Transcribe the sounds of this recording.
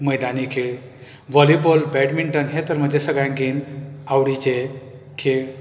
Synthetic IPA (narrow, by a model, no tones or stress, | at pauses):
məjd̪anikʰeɭ | ʋɔlibolbɛɖmiɳʈənɦet̪əɾm̤əd͡ʑesəɡɭjãŋɡenawɽit͡ɕe | kʰeɭ